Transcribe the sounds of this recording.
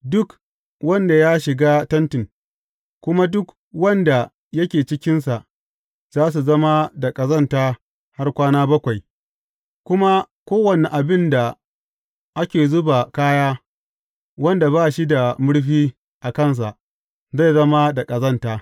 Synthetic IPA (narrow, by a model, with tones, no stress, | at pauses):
dʊ˦k | wɐ˦nda˨ja˦ʃɪ˨ɡaː˦tɐ˦ntɪ˨ŋ | kʷʊ˦ma˦dʊ˦k | wɐ˦nda˨ | jɐ˦kʲeː˨t͡ʃɪ˦kʲɪ˦nsa˨ʔ | z̥aː˦s̬u˨zɐ˦ma˦da˨kʼɐ˨zɐ˦˨ntaː˦ | ha˦rkʷaː˦naː˦bɐ˦kʷa˨j | kʷʊ˦ma˦ | kʷoː˦wɐ˨ni˨ʔa˨bɪ˦nda˨ | ʔa˦kʲeː˨zʊ˦ba˨kaː˦jaː˦ | wɐ˦nda˨baː˦ʃi˦da˨mʊ˦ɽɸiː˦ | ʔa˨kɐ˦ns̬a˨ʔ | za˦˨jzɐ˦ma˦da˨kʼɐ˨zɐ˦˨ntaː˦